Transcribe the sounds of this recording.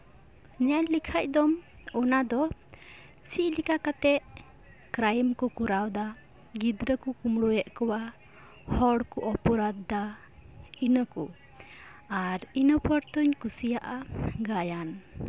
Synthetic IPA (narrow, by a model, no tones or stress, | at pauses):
ɲalikʰac̚d̪ɔm | ɔnad̪ɔ | t͡ʃic̚likakat̪ɛʔ | kɾajmkɔkuɾawd̪a | ɡid̪ɾəkukumɽujɛʔkɔwa | hɔɽkɔʔɔpɔɾad̪ːa | inəkṵ | aɾinəpɔɾt̪ɔɲkusijaʔaɡajan